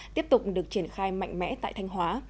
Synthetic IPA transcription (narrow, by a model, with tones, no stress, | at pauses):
t̪i˦˥əp̚t̪ʊ˨˩k͡p̚ɗɨ˨˩ək̚t͡ɕi˧˩ənxaː˧jma̰˧˨jŋ̟mɛ̰˧˥t̪a̰ː˧˨jt̪ʰa˧jŋ̟ɦwaː˨˦